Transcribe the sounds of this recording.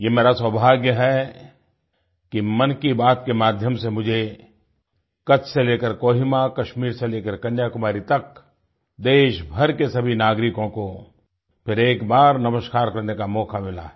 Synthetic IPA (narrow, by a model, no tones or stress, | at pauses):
jeːmeːɾaswəbʱaːɡjəɦɛ | kimɐnkibaːt̪kemaːd̪ʱjəmsemʊd͡ʒʱe | kɐt͡ʃʰseleːkəɾkoːɦɪmakɐʃmiːɾseleːkəɾkɐnjaːkʊmaːɾit̪ɐk | d̪eːʃbʱɐɾkesɐbʱinaːɡɾɪkõko | pʰɪɾeːkbaːɾnɐməʃkaːɾkɐɾnekamɔːkʰamɪla̰